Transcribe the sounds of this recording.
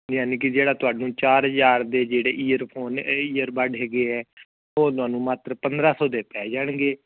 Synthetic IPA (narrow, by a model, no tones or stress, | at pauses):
d͡ʒãːniːkɪd͡ʒeːɽaːt̪ʊaːɖnũːt͡ʃaːɾɦd͡ʒaːɾd̪eːd͡ʒeːɽeːʔiːəɾpʰoːniːəɾbaːɖɦɛːɡeːɛː | oːt̪ʊaːnũːmaːt̪ɾəpənd̪ɾaːsɔːd̪eːpɛːd͡ʒaːɳɡeː